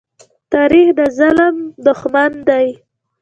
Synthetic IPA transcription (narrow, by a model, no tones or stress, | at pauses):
t̪aɾixd̪əzaləmd̪ʊxmand̪aj